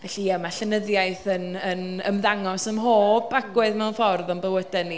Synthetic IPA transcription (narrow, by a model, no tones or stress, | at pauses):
vɛɬiəmaɬənəðjajθənənəmðaŋɔsəmɦoːbakɡwɨðmɛwnfɔrðɔnbəwədɛnːi